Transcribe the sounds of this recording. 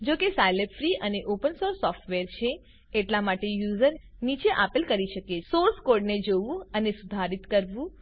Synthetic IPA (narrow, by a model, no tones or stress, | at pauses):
d͡ʒokesajlepfɾiʔəneʔopənsoɾsːɔfʈʋeɾt͡ʃʰeː | ʈlamaʈejuzəɾ | nit͡ʃeʔapilkəɾiʃəkesoɾskoɾɖned͡ʒoʋũənesud̪ʱaɾit̪kəɾʋũ